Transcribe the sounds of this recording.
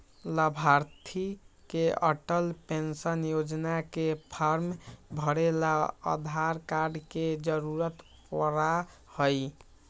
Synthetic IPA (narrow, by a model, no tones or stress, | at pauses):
ləbʱaɾt̪ʰikeə̰ʈəlpensənjod͡ʒnakepʰaɾmbʱəɾelaə̰d̪ʱaɾkaɾɖked͡ʒəɾuɾət̪ | pəɾa | həj